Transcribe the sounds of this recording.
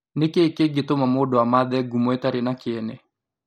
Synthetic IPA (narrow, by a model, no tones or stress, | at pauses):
nɪkekeɡɪtomamodɔamaðɛɡumoɛtaɾɪnakɪɛnɛ